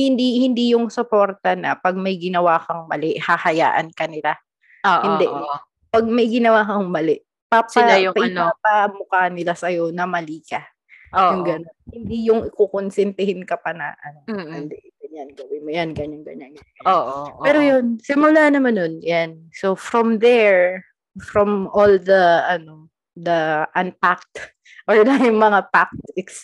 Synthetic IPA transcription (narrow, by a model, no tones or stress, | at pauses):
hɪnd̪ihɪnd̪ijʊŋsopo̞ːɾt̪ɐnɐ̰pɐɡ̚mɐjɡɪnɐwaːkɐŋmɐlɛʔhɐhɐja̰ːʔɐ̰nkɐnɪla | oʔhɪnd̪ɛʔ | pɐɡ̚mɐjɡɪnɐwaːkɐŋmɐlɛʔ | paslajʊpɐʔnɐpamʊkanɪlasɐjo̞nɐmɐliːkɐ | oʊŋɡɐnonhɪnd̪ijʊŋkokonsɛnt̪ɛhɪnkɐpɐnɐ̰ʔɐnoʊnd̪ɛɡɐɲanɡɐwɪmojanɡɐɲanɡɐ̰ɲanɡɐ | oʔpɛːɾojonsɪmʊlanɐmanːonjansofɾɔmd̪ɛɹ | fɾɔmold̪ɐʔɐno̞ | d̪ɐʔɐnpak̚t̪ | ʔoɹd̪ɐjʊŋmɐŋapak̚t̪ɛks